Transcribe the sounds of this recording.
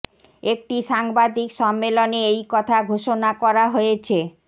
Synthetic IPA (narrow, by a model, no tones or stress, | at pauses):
ek̚ʈiʃaŋbad̪ikʃɔmːeloneejkɔt̪ʰaɡʱoʃonakɔɾaɦojet͡ɕʰe